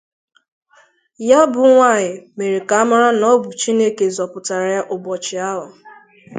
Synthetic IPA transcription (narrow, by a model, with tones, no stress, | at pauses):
ja˦bʊ˨ŋʷa˦˨ɲɪ˨me˨ɾi˨ka˨a˦ma˦ɾa˦nɔ˦bʊ˨t͡ʃi˦ne˦ke˨zɔ˨pʊ˨ta˨ɾa˨ja˦ʔʊ˨bɔ˨t͡ʃɪ˨a˦ɦʊ˨